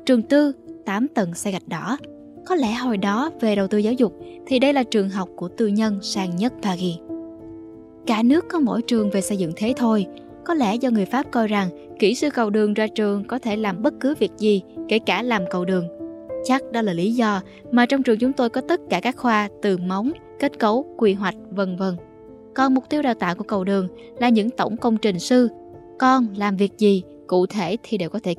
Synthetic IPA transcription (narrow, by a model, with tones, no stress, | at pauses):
t͡ɕɨ˨˩əŋt̪ɨ˧t̪aː˨˦mt̪ə˨˩nsa˧ɣa˨˩jk̚ɗɔ˨˦ | kɔ˨˦lɛ˧˩ɦo˨˩jɗɔ˨˦ve˨˩ɗə˨˩wt̪ɨ˧zaː˨˦wzʊ˨˩k͡p̚t̪ʰi˨˩ɗə˧jlaː˨˩t͡ɕɨ˨˩əŋɦa˨˩wk͡p̚ku˧˩ət̪ɨ˧ɲə˧nsaː˧ŋɲə˦˥t̚ɓaː˧ɣi˧ | kaː˧˩nɨ˦˥əkːɔ˨˦mo̰˧˥˨jt͡ɕɨ˨˩əŋve˨˩sə˧jzɨ̰˧˨ŋt̪ʰe˨˦t̪ʰo˧j | kɔ˨˦lɛ̰˧˩zɔ˧ŋɨ˨˩əjfaː˦˥p̚kɔ˧jza˨˩ŋ | ki˧˩sɨ˧kə˨˩wɗɨ˨˩əŋzaː˧t͡ɕɨ˨˩əŋkɔ˨˦t̪ʰe˧˩laː˨˩mɓə˦˥t̚kɨ˨˦vi˨˩ək̚zi˨˩ke˧˩kaː˧˩laː˨˩mkə˨˩wɗɨ˨˩əŋt͡ɕa˦˥k̚ɗɔ˨˦laː˨˩li˨˦zɔ˧ | maː˨˩t͡ɕɔ˧wŋ͡mt͡ɕɨ˨˩əŋt͡ɕʊ˨˦ŋ͡mt̪o˧jkɔ˨˦t̪ə˦˥t̚kaː˧˩kaː˦˥k̚xwaː˧t̪ɨ˨˩ma˨˦wŋ͡m | ke˦˥t̚kə˨˦wkwi˧˩ɦwa˨˩jk̟̚və˧˩nvə˧˩n | kɔ˨˩nmʊ˨˩k͡p̚t̪i˧əwɗaː˨˧˩wt̪a̰ː˧˨ku˧˩əkə˨˩wɗɨ˨˩əŋ | laː˨˩ɲɨ̰˧˥ŋt̪ə˧˩wŋ͡mkə˧wŋ͡mt͡ɕï˨˩ŋ̟sɨ˧ | kɔ˧nlaː˨˩mvi˨˩ək̚zi˨˩ | kṵ˧˨t̪ʰe˧˩t̪ʰi˨˩ɗe˨˩wkɔ˨˦t̪ʰe˧˩